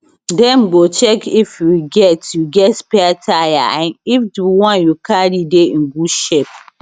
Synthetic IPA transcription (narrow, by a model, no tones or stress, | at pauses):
dɛ̃m̩ɡot͡ʃɛkifjuɡɛtjuɡɛtspɛatʰaja̰ãnifduwɔ̃njukʰaɾideŋ̩ɡuʃep̚